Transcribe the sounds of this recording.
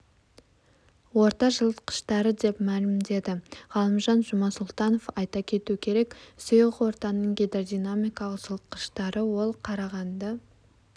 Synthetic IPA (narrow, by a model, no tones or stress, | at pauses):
wo̞ɾt̪ɑʒəlˠt̪qə̥ʃt̪ɑɾəd̪e̞pmælɪmd̪e̞d̪ɪʁɑlˠəmʒɑnʒʊmɑsʊlˠt̪ɑno̞fɑjt̪ɑkʲʰe̞t̪uɪkʲʰe̞ɾe̞ksijəʁwo̞ɾt̪ɑnnːəɴɡʲed̪ɾd̪ijnamijkɑlˠəqʒ̥əlˠt̪̚qə̥ʃt̪ɑɾəwo̞lˠqʰɑɾɑʁɑnd̪ɑ